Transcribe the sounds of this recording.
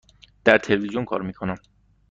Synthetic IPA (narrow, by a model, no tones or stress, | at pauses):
d̪̥æɾt̪ʰelevizijonkʰɒ̰ːɾmiːkʰo̞næm